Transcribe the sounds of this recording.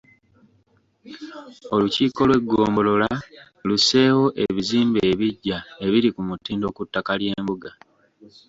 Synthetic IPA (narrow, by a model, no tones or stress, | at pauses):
o̞luciːko̞lwe̞ɡːoːmbo̞lo̞la | luse̞ːwo̞ʔe̞βiziːmbeːβiɟːae̞βiɾikumutiːndo̞ːkutːakalje̞ːmbuɡa